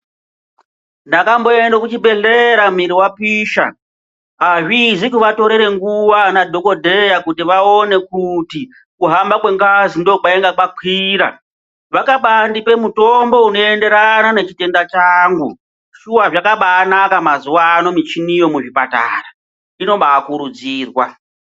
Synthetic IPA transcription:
ndakambo̞e̞ndakut͡ʃibʱe̞ɮeɾam̤iɾiwapiʃa̰ | ɦaʐizikuʋato̞ɾeɾe̞ŋɡuʋanadʱo̞ko̞dʱe̞jakutiʋao̞ne̞kuti | kuɦambakwe̞ŋɡazindo̞kaeŋɡakwakʰiːɾa̰ | ʋakaɓandipe̞muto̞mbo̞uno̞e̞nde̞ɾanane̞t͡ʃite̞ndat͡ʃaːŋɡu | ʃuaʐakaɓaːnakamazuwano̞mit͡ʃinijo̞muʐipa̰ta̰ːra | ino̞ɓaːkuɾud͡ziːrwa

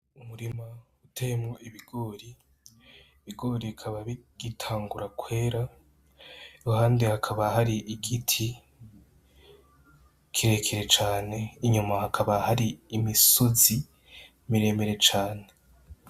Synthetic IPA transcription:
umuɾima | utʰejmoʔiβiɡo̞ːɾiː | βiɡo̞ːɾikʰaβaβiɡ̥itʰaːŋɡuɾakwe̞ːɾa | juɦaːndehakʰaβahaɾiʔiɡitʰi | kʰiɾe̞kʰeɾe̞t͡ʃaːne̞iɲumahakʰaβahaɾiːmisozi | miɾe̞ːme̞ɾe̞t͡ʃaːne̞

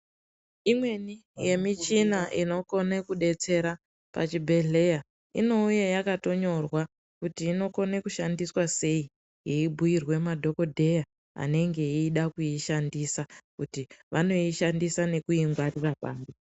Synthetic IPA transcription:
imwe̞nije̞mit͡ʃinaʔino̞ko̞nekuɗe̞t͡se̞ɾa | pa̰t͡ʃibʱe̞ɮe̞ja | ino̞ujejakato̞ɲo̞rwa | kutiːno̞ko̞nekuʃandiswase̞i | ɦiibʱujirwe̞madʱo̞ko̞dʱe̞ja | a̰ne̞ŋɡe̞iːɗakuiʃandisakutiʋano̞iʃandisane̞kuiŋɡwarirapaːmbi

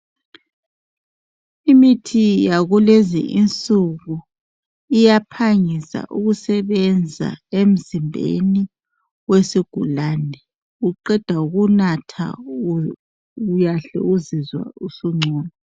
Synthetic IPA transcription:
imitʰijaɣulezḭʔint͡sʼuɣu | ijapʰaŋisa̰ʔuɣusɛβɛnd͡zʱa̰em̩zimbʱḛni | wesiɡ̥ʱulanʱɛ | uǃɛd̥ʱauɣunatʰa̰ | ujaɬɛ̰uzizwa̰usuŋ͡ǀʱɔːna

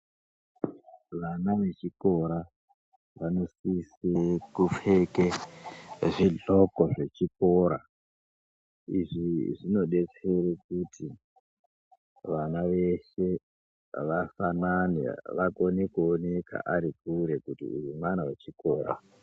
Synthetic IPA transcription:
ʋanaʋe̞t͡ʃiko̞ɾa | ʋano̞sisekufeke | ʐiɮo̞koʐe̞t͡ʃiko̞ɾa | ḭʐiʐino̞ɗe̞t͡seɾek̚uti | ʋanaʋe̞ʃe̞ | ʋafananḛʋakonekuone̞kʰa̰ʔaɾik̚uɾe̞kutḭurumanaʋat͡ʃikoːɾa̰

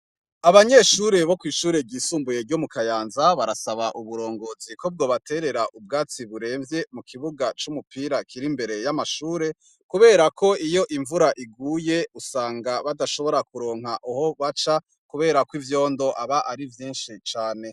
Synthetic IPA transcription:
aβaɲe̞ʃuɾe̞βo̞kwiːʃuːɾe̞ɟiːsuːmbuje̞ɾɟo̞mukajaːnzaβaɾasaβaʔuβuɾo̞ːŋɡo̞ːziko̞b̚ɡo̞ːβatʰe̞ɾe̞ɾaʔub̚ɡaːt͡siβuɾe̞ːɱvje̞mukʰiβuɡat͡ʃumupʰiːɾakʰiɾimbe̞ɾe̞jamaʃuːɾe̞ | kuβe̞ːɾakʰo̞ijo̞ʔiɱvuɾaʔiɡuːje̞usaːŋɡaβadaʃo̞βo̞ɾakuɾo̞ːŋɦaʔuho̞βat͡ʃa | kuβe̞ːɾakwivjo̞ːndo̞ʔaβaʔaɾivjiːnʃit͡ʃaːne̞

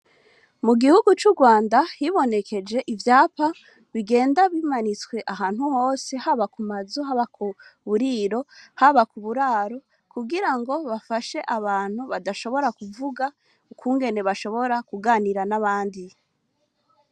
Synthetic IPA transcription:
muɡihuɡut͡ʃuɡwaːndahiβo̞ne̞kʰe̞d͡ʒe̞ʔivjaːpa | βiɡe̞ːndaβimanit͡swe̞ʔaɦaːn̥huho̞ːse̞haβakumazuɦaβakʰuβuɾiɾo̞haβakuβuɾaːɾo̞ | kuɡiɾaŋɡo̞βafaʃe̞ʔaβaːn̥huβadaʃo̞βo̞ɾakuvuɡa | ukuːŋɡe̞ne̞βaʃo̞βo̞ɾakuɡaːniɾanaβaːndi

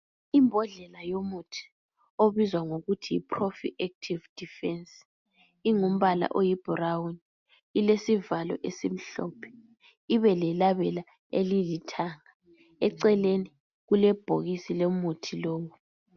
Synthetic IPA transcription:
imbʱɔɮɛlajomutʰi̥ | oβizwaŋoɣutʰiḭpʰrofḭʔɛk̚tʰivd̥ʱifɛns | iŋum̩βala̰ʔojib̥ʱrawn | ilesivalɔ̰ʔesim̩ɬɔ̰ːpʰɛ̥ | iβɛlɛlaβɛla | ḛlilitʰaːŋa | ɛǀɛleni | ɣulɛb̥ʱoɣisilomutʰiloːwu

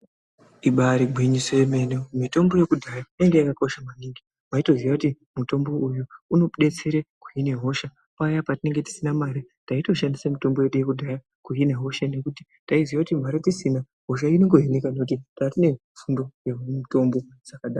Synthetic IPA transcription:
iɓaɾiɡʱwiɲisejeme̞neomito̞mbo̞je̞kudʱajaineŋɡe̞jakako̞ʃamaniːŋɡi | maito̞zijakuti | muto̞mbo̞ujuuno̞ɗe̞t͡se̞ɾeku̥jine̞ɦo̞ʃa | pajapatine̞ŋɡe̞ti̥sinamaɾi | taito̞ʃandisamito̞mbo̞jeɗujekudʱaja | kujine̞ɦo̞ʃane̞kuti | taizijakutim̤aɾatisina | ɦo̞ʃ̬aineŋɡo̞ɦenekanoutitarine̞ | fundo̞jeumito̞mbo̞ | d͡zakaɗaːa

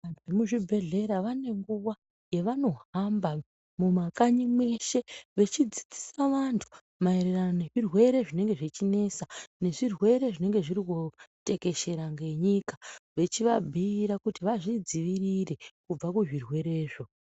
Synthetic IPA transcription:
antʰuemuʐibʱe̞ɮe̞ɾaʋane̞ŋɡuʋa | je̞ʋano̞ɦamba | mumakaɲimwe̞ʃe̞ʋe̞t͡ʃid͡zi̥d͡zi̥saʋantʰu̥ | maeɾeranone̞ʐirwe̞ɾe̞ʐine̞ŋɡe̞ʐit͡ʃine̞sane̞ʐirwe̞ɾe̞ʐine̞ŋɡe̞ʐiɾikote̞ke̞ʃe̞ɾaŋɡe̞ɲikaʋe̞t͡ʃiʋabʱiːɾakutiʋaʐid͡ziʋirire̞kub͡vakuʐirwe̞ɾe̞ːʐo̞

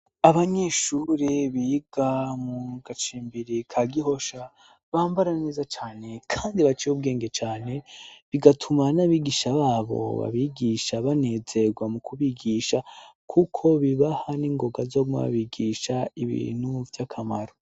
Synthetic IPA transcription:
aβaɲe̞ʃuɾeβiɡamuɡat͡ʃiːmbiɾikʰaɡiɦo̞ʃa | βaːmbaɾaneːzat͡ʃaːne̞kʰaːndiβat͡ʃijub̚ɡe̞ːŋɡe̞t͡ʃaːne̞βiɡatʰumanaβiːɡiʃaβaːβo̞̰βa̰βiɡiʃaβane̞ze̞ɡwamukʰuβiɡiːʃakʰukʰo̞βiβahaniːŋɡo̞ɡazoɡuma̰βa̰βiɡiːʃaiβḭːn̥huvjakʰamaɾo

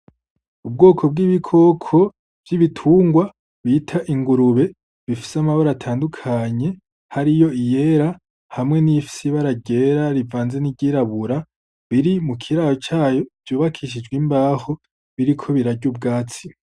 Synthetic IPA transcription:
ub̚ɡo̞ːkʰo̞b̚ɡiːβikʰo̞kʰo̞ | v̥jiβitʰuːŋɡwa | βiːtʰaʔiŋɡuɾuβe̞ | βifi̥seamaβaɾatʰaːndukʰaɲe̞ | haɾijo̞ije̞ɾa | hamŋe̞nifi̥seβaɾaɟe̞ɾaɾivaːnze̞niɟiːɾaβuɾa | βiɾimukʰiɾajot͡ʃaːjo̞v̥juːβakʰiʃ̬id͡ʒɡwimbaːho̞ | βiɾikʰo̞βiɾaɟuːb̚ɡaːt͡si

